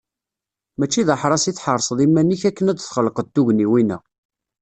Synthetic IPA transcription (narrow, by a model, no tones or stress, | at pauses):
mæt͡ʃːiðəħɾˤɑsiθħəɾˤsˤðˤimːænːiçækːənæd̪θχəlːəqəd̪̚t̪ːuʝniwinæ̰